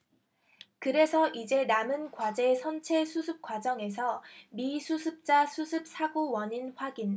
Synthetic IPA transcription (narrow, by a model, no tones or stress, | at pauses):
kɯɾe̞sʰʌʔid͡ʑe̞namɯnkwad͡ʑe̞sʰʌnt͡ɕʰe̞sʰusʰɯp̚k͈wad͡ʑʌŋe̞sʰʌmisʰusʰɯp̚t͡ɕ͈asʰusʰɯp̚s͈ʰaɡowʌɲinɸwaɡin